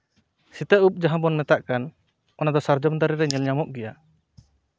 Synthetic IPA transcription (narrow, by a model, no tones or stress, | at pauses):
sit̪ɛʔup̚d͡ʒaɦãbɔnmɛt̪aʔkan | ɔnad̪ɔsaɾd͡ʒɔmd̪aɾɛɾɛɲɛlɲamɔʔɡɛja